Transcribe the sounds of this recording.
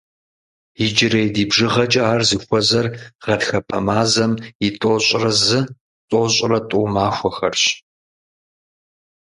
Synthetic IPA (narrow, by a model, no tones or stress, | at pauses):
id͡ʒɪɾɐjdiːbʒɨʁɐt͡ʃʼɐaːrzɨxʷɔzɐrʁɐdxɐpʰɐmaːzɐmɪtʼoːɕʼrɐzɨ | tʼoːɕʼrɐtʷʼuːmaːxʷɔxɐrɕ